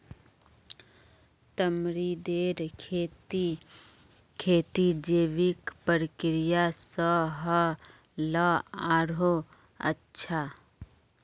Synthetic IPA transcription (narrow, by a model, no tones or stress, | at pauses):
t̪əmɾid̪eːɾʰet | kʰeːt̪id͡ʒeːʋikpəɾəkɾɪjasəɦə | ləaːɾo | ə̰tːʃʰa